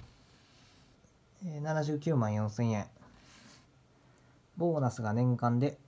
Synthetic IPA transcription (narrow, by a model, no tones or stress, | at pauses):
eːnanaʑɨːkʲɨːmãɰ̃jõɰ̃sẽ̞ɰ̃ẽ̞ɴ | bo̞ːnasɨɡanẽ̞ŋkãnd̪e̞